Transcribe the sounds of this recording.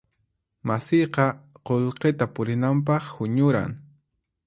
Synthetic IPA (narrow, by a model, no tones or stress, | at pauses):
masɪjqɑqolqet̪apʊɾɪnamp̬ɑχhʊɲʊɾa̰ŋ